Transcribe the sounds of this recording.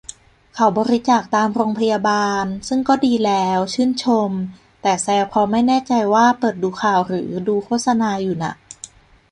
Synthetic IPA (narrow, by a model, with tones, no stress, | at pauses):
kʰa˨˩˦wbɔː˧ɾi˦˥t͡ɕaː˨˩k̚t̪aː˧mɾoː˧ŋpʰa˧jaː˧baː˧nsɯ˥˩ŋkɔː˥˩diː˧lɛː˦˥wt͡ɕʰɯː˥˩nt͡ɕʰo˧m | t̪ɛː˨˩sɛː˧wpʰɔː˧ma˥˩jnɛː˥˩t͡ɕa˧jwaː˥˩pɤː˨˩t̪̚duː˧kʰaː˨˩wɾɯ̰ː˩˦duː˧kʰoː˥˩t̪̚sa˧naː˧juː˨˩na̰˧˩ʔ